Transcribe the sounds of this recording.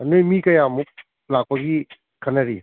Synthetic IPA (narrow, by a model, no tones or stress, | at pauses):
nɯjmikɐjamuk̚ | lak̚paɡi | kʰɐnɐɾi